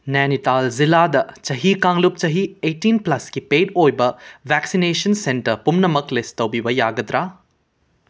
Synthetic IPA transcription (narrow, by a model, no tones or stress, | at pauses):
nɛnitalziladɐt͡ʃɐɦikaŋlup̚t͡ʃɐɦietːinplɐskipedojbɐbʱɛksinesɐnsentɐɾpumnɐmɐklestɐwbibɐjaɡɐdɾa